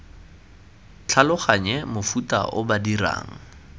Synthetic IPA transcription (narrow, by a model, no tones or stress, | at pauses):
t͡ɬʰalʊχaɲɛmʊfuta̰ʔʊbadira̰ːŋ̩